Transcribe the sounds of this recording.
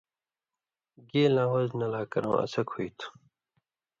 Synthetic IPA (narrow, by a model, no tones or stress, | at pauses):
ɡeːlãːwɐznɐlaːkɐɾõ̰ːɐ̰sɐkhuit̪ʰu̥